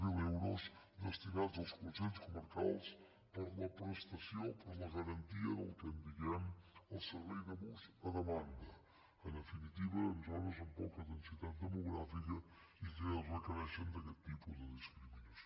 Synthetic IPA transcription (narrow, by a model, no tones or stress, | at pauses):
milɛwɾos | d̪əst̪inad̪zəlˠskusɛnskuməɾkalˠs | pəɾləpɾəst̪ɐsjopəɾləɣəɾɐnt̪iəðəwt̪ənt̪ikɛməlˠsəɾβɛjðəβuzəðəmand̪ə | ənd̪əfinit̪iβəənzɔɾəzumpɔkəðənsit̪at̪̚d̪əmuɣɾafikə | ikɛlzməkəɾɛʃənd̪əkɛt̪ːipuðəðiskɾiminus